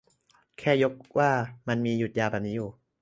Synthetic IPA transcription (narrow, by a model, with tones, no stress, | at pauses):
kʰɛː˥˩jo˦˥k̚wʔaː˥˩ma˧nmiː˧ju˨˩t̪̚jaː˧bɛ˨˩p̚niː˦˥juː˨˩